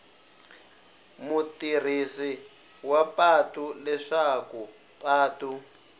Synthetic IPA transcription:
mutir̤isi | wapatulɛʂaku | pʼaːtu

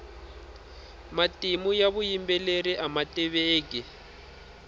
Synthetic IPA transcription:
matʼimujaβujimbɛleɾiʔamatʼɛβeːk̬ʼɛ

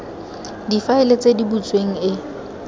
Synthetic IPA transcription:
difaɪlet͡sʼedibut͡sʼweŋ̩ɪ

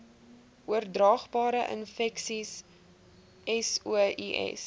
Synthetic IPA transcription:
ʔuərdrɑːχbɑːɾəʔə̰nfɛksis | ɛsuʔiʔɛ̰s

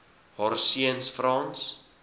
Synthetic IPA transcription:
hɑɾsiənsfrɑːns

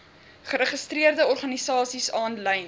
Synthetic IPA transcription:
χəɾəχəstriərdəɔrχɐnisɑːsisɑːnlɛjn

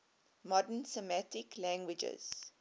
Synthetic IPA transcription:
mɔdənsəmætɪklæ̃ŋɡwɪd͡ʒə̰z̥

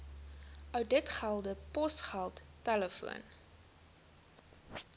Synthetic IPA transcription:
ʔœwt̚dətχælˠdəpɔsχælˠtːɛləfṵən

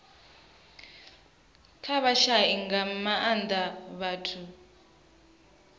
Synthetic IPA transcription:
kʰaβaʃaiŋɡamaʔand̪aβaːtʰu

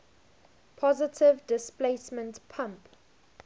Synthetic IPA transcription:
pʰɔzɪtʰɪvdɪspleɪsmə̃ntpʰãmp

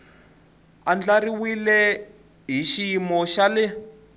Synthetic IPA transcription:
and͡ɮaɾiwilɛ | ɦiʃimɔʃalɛ

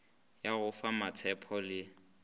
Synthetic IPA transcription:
jaɣʊfamatʰɛpʰɔlɪ

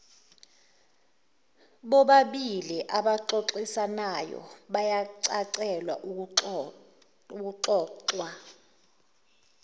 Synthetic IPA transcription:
ɓɔɓaɓiliʔaɓaǁoǁisanajɔ̰ɓajaǀaǀɛlwa̰ʔ | uk̬uǁɔːǁwa

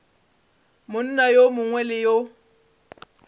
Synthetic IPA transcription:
mʊn̩najomʊŋwɛlɪjo

